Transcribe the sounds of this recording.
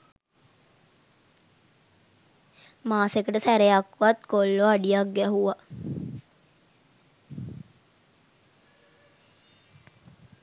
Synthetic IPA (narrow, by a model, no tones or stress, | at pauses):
maːsekəʈəsæɾejakːʋat̪kolːoaɖijakɡɛɦuʋa